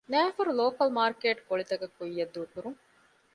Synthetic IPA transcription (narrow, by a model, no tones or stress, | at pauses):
næːfɐɾuloːkɐlmaːɾkeːʈkoɭit̪ɐkɐkːujːɐd̪ːuːkuɾuŋ